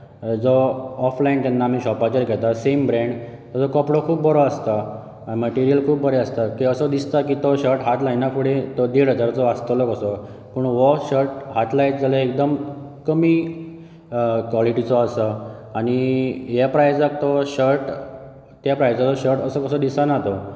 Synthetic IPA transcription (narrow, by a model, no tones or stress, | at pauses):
d͡zɔːflaint̪janːaːmiːɕɔpat͡ɕəɾɡʱɛt̪asembɾẽɳɖt̪əd͡zɔkəpɽokʰuːp̚bəɾɔast̪a | məʈiɾijəlkʰuːpbəɾeast̪akiːəsəd̪ist̪akiːt̪oɕəɾʈɦat̪lajnakʰuɽet̪ɔd̪eɽət̪əɾd͡zɔast̪əlokəsɔ | pəːɳʋəɕəɾʈɦat̪lajt̚d͡zaləek̚d̪əm | kəmiː | kʋɔliʈit͡sɔəsə | aɽ̃iɦjapɾajd͡zakt̪ɔɕəɾʈ | t̪japɾajd͡zat͡sɔɕəɾʈəsəkəsəd̪isanat̪o